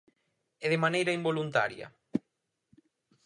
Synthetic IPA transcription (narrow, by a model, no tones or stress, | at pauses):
eðɪmanejɾɐimbolunt̪a̰ɾjɐ̰